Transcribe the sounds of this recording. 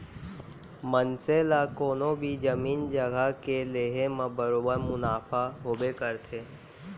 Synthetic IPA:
mənselakoːnõbʱid͡ʒəmiːnd͡ʒəɡakeleːɦemə̃bəɾoːbəɾmʊnaːfaɦoːbekəɾt̪ʰeː

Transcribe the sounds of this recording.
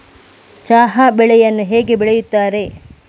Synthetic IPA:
t͡ʃaːɦabɛɭɛjɐnːuɦeːɡe̞bɛɭejut̪ːaːɾe̞

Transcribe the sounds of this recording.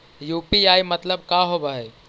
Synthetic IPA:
juːpiajmət̪ləbkaɦobaɦe

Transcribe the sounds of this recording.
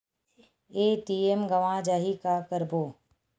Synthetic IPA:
eːʈiːemɡəʋãd͡ʒaːɦiːkaːkəɾboː

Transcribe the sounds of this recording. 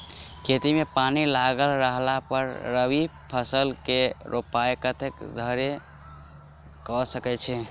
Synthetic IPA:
kʰet̪imepanilaɡəlɾəɦlapəɾːəbi | pʰəsəlkeɾʔopaekət̪ʰekd̪ʱəɾe | kɔsəkɛt͡ʃʰɛ

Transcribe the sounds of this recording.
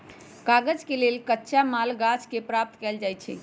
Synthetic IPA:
kaɡəd͡ʒkelelkətːʃamalɡat͡ʃkepɾap̚t̪kɛld͡ʒajt͡ʃʰɛ̰

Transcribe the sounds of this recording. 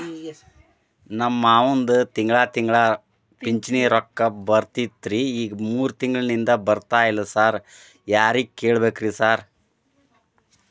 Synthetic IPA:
nɐmːaːʋond̪ut̪iŋɡɭaːt̪iŋɡɭaː | ppiɲt͡ʃniːɾɔkːɐbɐɾt̪it̪ɾiiːɡɐmuːɾut̪iŋɡɐɭnind̪ɐbɐɾt̪aːjilːɐsaːɾ | jaːɾikeːɭbeːkɾisaːɾ

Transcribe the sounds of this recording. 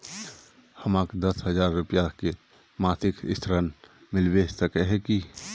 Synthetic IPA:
həmaːkd̪əsɦəzaːɾːʊpjake | maːsɪkɪ̰st̪ʰɾən | mɪlʋesəkɛɦɛ̃ki

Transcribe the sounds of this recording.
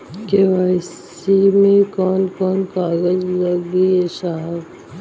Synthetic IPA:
keʋaːɪs | imẽkɔːnkɔːnkaːɡəd͡ʒlɐɡbieʃaːb

